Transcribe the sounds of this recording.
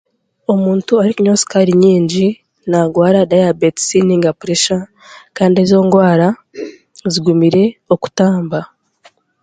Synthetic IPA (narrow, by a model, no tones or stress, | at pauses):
o̞muːntuaɾikuɲosi̥kaɾiɲiːɲɟi | naɡwaːɾadajabeti̥siniŋɡapuɾeʃa | kaːndiezo̞ːŋɡwaːɾa | ziɡumiɾe̞o̞ku̥taːmba